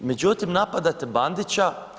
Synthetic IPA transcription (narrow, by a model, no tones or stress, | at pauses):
med͡ʒut̪imnapad̪at̪eband̪it͡ʃa